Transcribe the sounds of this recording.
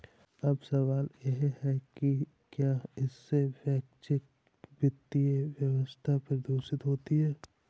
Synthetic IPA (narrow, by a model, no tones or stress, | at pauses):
ɐbsɐʋaːljeɦɦɛki | kjaːɪsːeʋɛːkt͡ʃɪk̚ | bɪt̪ːieʋjɐʋəst̪ʰapɾɐd̪oːʃɪt̪ɦoːt̪iɦɛː